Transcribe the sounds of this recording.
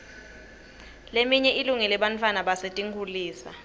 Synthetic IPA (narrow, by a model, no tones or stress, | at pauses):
lemiɲɛʔiluŋɛlɛɓantʰʼwanaɓasetʼiŋɡʰʱuliːsa̰